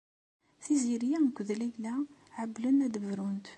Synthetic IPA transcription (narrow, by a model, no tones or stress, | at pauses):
θiziɾjækʷːəðlæʝlæʕəblənæd̪əvɾunt̪